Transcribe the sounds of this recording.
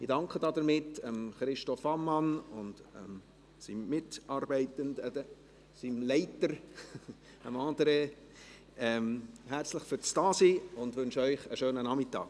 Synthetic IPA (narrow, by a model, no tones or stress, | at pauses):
ɪdɑŋkχədɑd̪əɾmɪtəmχɾɪʃtɔfɑmːɑnʊndəm | simmɪtɑɾbɛɪtəndɛdə | simlɛɪtəɾ | əmɑːdəɾə | ɛmhæɾt͡sləχfyɾt͡stɑːsiːʊndʋʏnʃœʏχəʃøːnənɑmɪtɑ̰ːk